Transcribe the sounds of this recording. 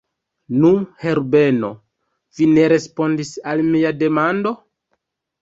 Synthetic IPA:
nuhe̞ɾbe̞no̞ | vine̞ɾe̞spo̞ndisalmiade̞mando̞

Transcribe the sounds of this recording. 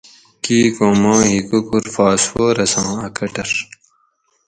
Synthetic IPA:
kiːkoːmãːjikukuɾfaːswoːɾɐsɑ̃ːɐkɐʈɐɾ

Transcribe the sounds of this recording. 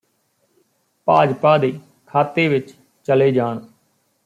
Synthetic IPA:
paːd͡ʒpaːd̪eː | kʰaːt̪eːʋɪt͡ʃ | t͡ʃəleːd͡ʒaːn

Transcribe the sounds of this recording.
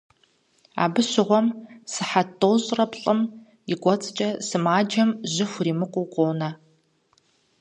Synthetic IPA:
a̰ːbɨɕɪʁʷɔmsɨħatʰʼːoːɕʼrɐpɬʼɨm | jɪɡʷɔt͡sʼt͡ʃʼɐsɨmaːd͡ʒɐmʑɪxʷriːmɨqʷʼʊqʷʼoːnɐ

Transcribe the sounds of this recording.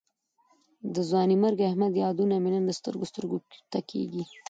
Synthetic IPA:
d̪əzwɑnimaɾɡahmad̪jɑd̪unaminand̪əst̪ə̰ɾɡost̪əɾɡot̪akʰḛɡi

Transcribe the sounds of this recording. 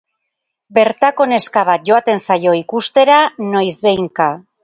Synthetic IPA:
be̞ɾt̪ako̞ne̞skaβ̞at̪̚ʝo̞at̪e̞nsajo̞ikust̪e̞ɾano̞jzβe̞jŋka

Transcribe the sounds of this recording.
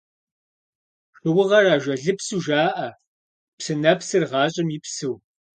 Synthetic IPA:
ɕʷʊwʊʁɐraːʒʷɐɮɨpsuːʒaːʔɐ | psɨnɐpsɨrʁɑːɕʼɪmjɪpsɨw

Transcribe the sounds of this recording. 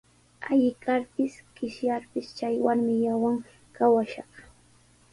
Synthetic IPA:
ajɪkaɾpɪskɪʃjaɾpɪst͡ʃajwaɾmɪjawaŋ | kawaʃɑχ

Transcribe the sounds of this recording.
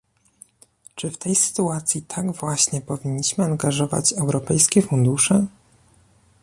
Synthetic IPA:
t͡ʂɘft̪ɛjsɘ̥t̪uat̪sʲjit̪ʰaɡvwaɕɲɛpɔvʲiɲːiɕmɘaŋɡaʐɔva̰t͡ɕɛwɾɔpɛjskʲɛfund̪uʂɛ

